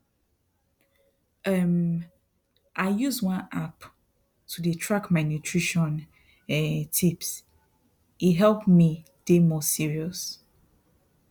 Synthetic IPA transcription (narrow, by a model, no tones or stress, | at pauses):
ɛm | ʔaɪjuzwãnap | tʰudətʰɹakmanjutʰɹiʃɔ̃n | ɛtʰips | iɦɛlpmi | d̥emɔsiɹiɔs